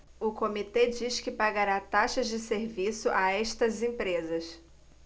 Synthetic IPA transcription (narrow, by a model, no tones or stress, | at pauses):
ʊkomit̪ed͡ʒiʃkɪpaɡaɾat̪aʃɐzd͡ʒɪseɾvisʊʔaɛʃt̪ɐzẽpɾezɐs